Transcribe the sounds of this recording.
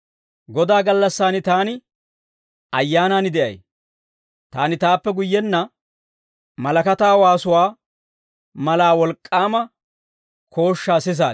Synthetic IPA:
ɡɔd̪aːɡɐlːɐsːaːnɪt̪aːnɪ | ʔɐjːaːnaːnɪd̪ɛʔɐ̰j | t̪a̰ːnɪt̪aːpːɛɡʊjːɛnːɐ | mɐlɐkɐt̪aːwaːsʊwaː | mɐlaːwɔlkʼːaːmɐ | kʰo̞ːʃːaːsɪs̬a̰ː

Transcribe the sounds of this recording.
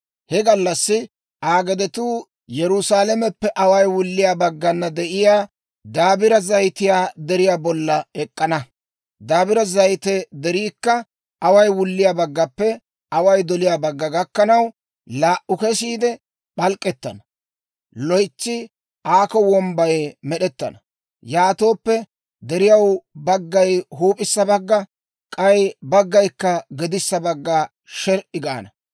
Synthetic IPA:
hɛɡɐlːɐsːɪ | ʔaːɡɛd̪ɛt̪uː | jɛɾʊsaːlɛmɛpːɛʔɐwɐjwʊlːɪjaːbɐɡːɐnːɐd̪ɛʔɪjaː | d̪aːbɪɾɐzɐjt̪ɪjaːd̪ɛɾɪjaːbɔlːɐɛkʼːɐnɐ | d̪aːbɪɾɐzɐjt̪ɛd̪ɛɾiːkːɐ | ɐwɐjwʊlːɪjaːbɐɡːɐpːɛ | ɐwɐjd̪ɔlɪjaːbɐɡːɐɡɐkːɐnɐw | laːʔʊkɛsiːd̪ɛ | ɓɐlkʼːɛt̪ːɐ̰nɐ | lɔjt͡ʃːɪ | ʔaːkɔwɔmbɐjmɛɗɛt̪ːɐ̰nɐ | jaːt̪o̞ːpːɛ | d̪ɛɾɪjɐwbɐɡːɐjɦuːpʼɪsːɐbɐɡːɐ | kʼɐjbɐɡːɐjkːɐɡɛd̪ɪsːɐbɐɡːɐ | ʃɛɾʔɪɡa̰ːnɐ

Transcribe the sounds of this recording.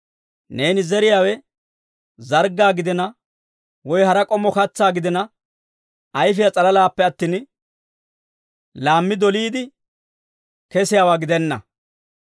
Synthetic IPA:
ne̞ːnɪzɛɾɪjaːwɛ | zɐɾɡːaːɡɪd̪ɪnɐ | wɔjhɐɾɐkʼɔmːɔkɐt͡sːaːɡɪd̪ɪnɐ | ɐjfɪjat͡sʼɐlɐlaːpːɛɐt̪ːiːn | laːmːɪd̪ɔliːd̪ɪ | kɛsɪjaːwaːɡɪd̪ɛnːɐ̰

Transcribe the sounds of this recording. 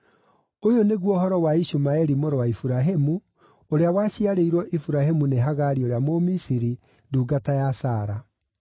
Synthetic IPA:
ojoneɣwɔɦɔɾɔwaiʃumaɛɾimoɾɔwaifuɾaɦemu | oɾeawaɕiaɾeiɾwɔʔifuɾahemuneɦaɣaɾioɾeamomisiɾi | nduːɡatajasaːɾa

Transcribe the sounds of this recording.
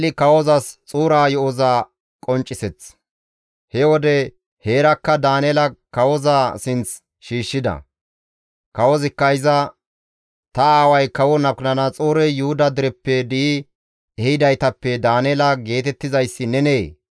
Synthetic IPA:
lɪkɐwɔzɐst͡sʼuːɾaːjɔʔɔzaː | kʼɔnt͡ʃʼːɪsɛt͡s | hɛwɔd̪ɛ | he̞ːɾɐkːɐd̪aːnɛːlɐkɐwɔzaːsɪnt͡s | ʃiːʃːɪd̪ɐ̰ | kɐwɔzɪkːɐɪzɐ | t̪ɐaːwɐjkɐwɔnɐb̚knɐnɐt͡sʼuːɾɛjʊhʊd̪ɐd̪ɪɾɛpːɛd̪ɪɪ | ɛhɪd̪ɐjt̪ɐpːɛd̪aːnɛlɐɡe̞ːt̪ɛt̪ːɪzɐjsːɪnɛneː

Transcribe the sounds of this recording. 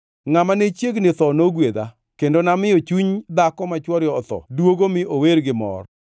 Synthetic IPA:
ŋamanet͡ʃjeɡnɪt̪ɔnoɡwed̪a̰ | kendonamɪot͡ʃuɲd̪akɔmat͡ʃwɔɾjɔːt̪ɔ̰dwoɡomɪoweɾɡɪmɔ̰r

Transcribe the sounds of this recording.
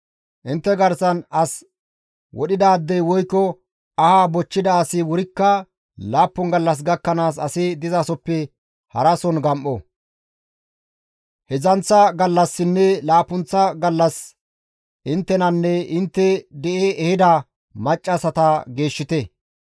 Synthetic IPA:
ʔɪnt̪ːɛɡɐɾsɐnɐs | wʔɔ̰ɗɪd̪aːd̪ːɛjwɔjkːɔ | ɐhaːbɔt͡ʃːɪd̪ɐːsɪwɔɾɪkːɐ | laːpːɔnɡɐlːɐs̬ɡɐkːɐnaːs̬ɐsɪd̪ɪzɐsɔpːɛ | hɐɾɐsɔnɡɐmʔɔ | hɛzɐnt͡sːɐɡɐlːɐsːɪnːɛlaːpːʊnt͡sːɐɡɐlːɐs | ʔɪnt̪ːɛnɐnːɛɪnt̪ːɛd̪ɛʔeːʔɛhɪd̪ɐ | mɐt͡ʃʼːɐsɐt̪ɐɡeːʃːɪt̪ɛ

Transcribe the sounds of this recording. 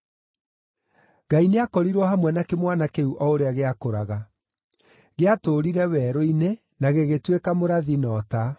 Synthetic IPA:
ɡaineakɔɾiɾwɔhamwɛnakemwanakeuʔɔoɾeaɣeakoɾaɣa | ɣeatoɾiɾɛwɛːɾoine | naɣeɣetwekamoɾaðinɔta

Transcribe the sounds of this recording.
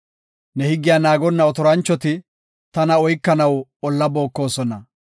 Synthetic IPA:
nɛhɪɡːɪjaːnaːɡɔnːɐɔt̪ɔɾɐnt͡ʃːɔt̪ɪ | t̪ɐnɐɔjkːɐnɐwɔlːɐbo̞ːkːo̞ːsɔnɐ

